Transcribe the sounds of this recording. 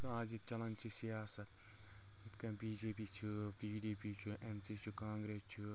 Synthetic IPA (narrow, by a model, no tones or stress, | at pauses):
kãːd͡ʒit͡ʃɐlɐnt͡ʃʰisijaːsɐt̪ | it̪kɐ̃biːd͡ʒeːpiːt͡ʃʰibiːɖiːpiːt͡ʃʰuʔensit͡ʃʰukãːŋɡɾeːst͡ʃʰu